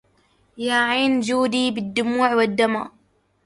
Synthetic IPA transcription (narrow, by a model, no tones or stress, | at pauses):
jaːʕiːnd͡ʒuːd̪iːbɪd̪ːʊmuːʕwɪd̪ːama̰